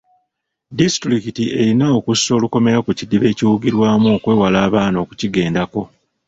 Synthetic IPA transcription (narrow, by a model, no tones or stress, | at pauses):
distɾikitie̞ɾinaokusːo̞ːluko̞me̞ɾakucidiβe̞ːciwuɡiɾwaːmuokwe̞ːwalaːβaːno̞kuciɡe̞ːndako̞